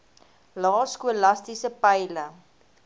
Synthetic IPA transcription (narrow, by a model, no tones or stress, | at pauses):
lɑːskuəlɐstisəpəjlə